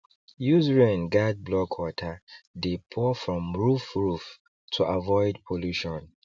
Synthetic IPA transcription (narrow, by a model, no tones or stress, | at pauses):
juzɹĩnɡad̚blɔkʰwɔtʰədepʰɔfɹɔ̃mɹufɹuf | tʰuʔavɔɪdpʰoluʃɔ̃n